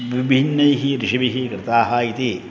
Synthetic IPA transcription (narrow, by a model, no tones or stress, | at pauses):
ʋibʱinːɐjɦiɾɪʃiʋiɦikɾɪt̪aːɦaːit̪i